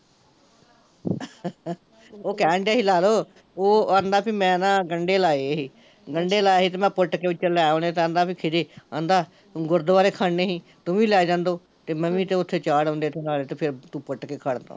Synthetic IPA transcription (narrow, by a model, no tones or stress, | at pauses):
oːkɛːɳɖaːɦiːlaːloː | oːaːnd̪aːpiːmɛ̃ːnãːɡəɳɖeːlaːeɦiː | ɡəɳɖeːlaːeːɦiːt̪eːmɛ̃ːpʊʈkeːʋɪt͡ʃlɛːõːneːt̪eə̃ːnd̪aːpʰiːkʰɪɾeːãːnd̪aː | ɡʊɾd̪əʋaːɾeːkʰaːɳːeːɦiː | t̪ʊmĩːlɛːd͡ʒãːnd̪oː | t̪eːməmĩːt̪eːʊt̪ʰːeːt͡ʃaːɽõːnd̪eːt̪ʰːeːlaːleːt̪eːpʰɪɾt̪ũːpʊʈkeːkʰaːɽnd̪o̰ː